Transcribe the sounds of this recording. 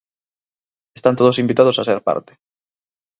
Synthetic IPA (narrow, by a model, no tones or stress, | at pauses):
est̪ant̪oðosimbit̪aðosaseɾpa̰ɾt̪e̥